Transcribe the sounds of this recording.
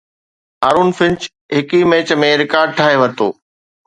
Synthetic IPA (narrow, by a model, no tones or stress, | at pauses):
aːɾuːnfɪ̃nt͡ɕ | ɦɪkimeːt͡ɕmẽɾɪkaːɾɖ̚ʈʰaːɦeʋɐt̪o̰ː